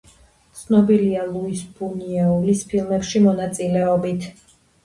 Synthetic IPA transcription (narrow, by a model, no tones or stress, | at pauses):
t̪sʰnɔbilialˠuisbuniɛulispʰilˠmɛpʃimɔnat̪sʼilɛɔbit̪ʰ